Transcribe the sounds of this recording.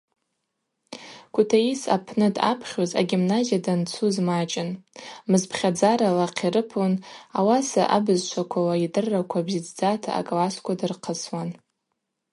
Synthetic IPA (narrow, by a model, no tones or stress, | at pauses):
kʷʰʼutʰaisa̰pʰnɨda̰pʰχʲoza̰ɡʲimnazijadant͡sʰuzmat͡ʃʼɪnmɨzpʰχʲad͡zaɾalaqʲʰiɾɨpʰonawasa̰ʔa̰bɨzt͡ʃʷʰakʷʰawaidɨrːakʷʰabzid͡zd͡zatʰa̰ːkʼlaskʷadɨrqʰəswan